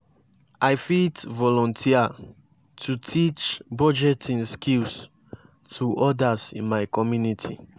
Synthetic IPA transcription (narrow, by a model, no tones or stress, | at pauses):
ʔajfitvɔlɔ̃ntʰia | tʰutʰit͡ʃbɔd͡ʒɛtĩnskils | tʰuʔɔdasḭ̃nmajkɔmjunitʰḭ